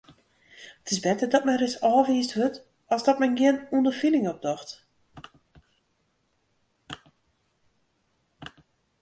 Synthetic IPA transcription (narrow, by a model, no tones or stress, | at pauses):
ətɪsbɛtədɔt̚mɛrɪsɔːviːsthøt | ɔsdɔt̚mɛnɡɪənundərfinɪŋɔp̚dɔxt